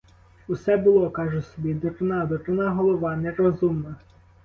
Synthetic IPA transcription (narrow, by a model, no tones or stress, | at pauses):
usɛbʊlˠɔkɑʒʊsɔbʲid̪ɔrɪnɑd̪ɔrɪnɑɦɔlˠɔʋɑnɛɾɔzumnɐ